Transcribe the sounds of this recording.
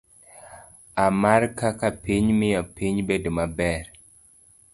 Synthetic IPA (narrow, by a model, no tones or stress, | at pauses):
amaɾkakapiɲmɪjɔpiɲbedomabɛɾ